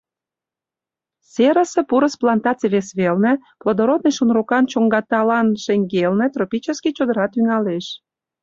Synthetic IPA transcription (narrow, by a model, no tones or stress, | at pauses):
seɾəsĕpuɾəsplɑnt̪ɑt͡seβesβelnĕplod̪oɾot̪̚nəjʃunrokɑnt͡ɕoŋɡɑt̪ɑlɑnʃeŋɡelnĕt̪ɾopʲit͡ɕəskit͡ɕod̪əɾɑt̪ynɑleʃ